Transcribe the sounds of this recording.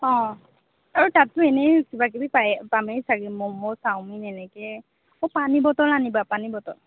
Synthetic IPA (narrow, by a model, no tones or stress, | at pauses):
ɔ̃ | aɹutatːʊɛnɛkibak̬ibipajpamɛsaɡimɔmɔsawminɛnɛkɛ | ɔpanibɔtɔlanibapanibɔtɔl